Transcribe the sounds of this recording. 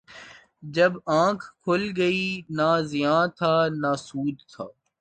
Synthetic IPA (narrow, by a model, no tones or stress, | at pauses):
d͡ʒɐbãːkʰkʰʊlɡɐiːnaːzɪjãːt̪ʰaːnaːsuːd̪̚t̪ʰa̰ː